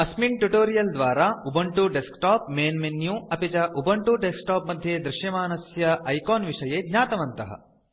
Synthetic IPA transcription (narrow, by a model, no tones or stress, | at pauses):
ɐsmiɳʈuʈoːɾijɐld̪ʋaːɾaːubɐɳʈuɖeskʈaːpmeːnmenjũːɐpit͡ʃɐʔubɐɳʈuɖesk̚ʈaːpmɐd̪ʱjeːd̪ɾɪʃjɐmaːnɐsjɐʔɐjkoːnʋiʂɐjeːd̪ɲaːt̪ɐʋɐnt̪ɐɦɐ̰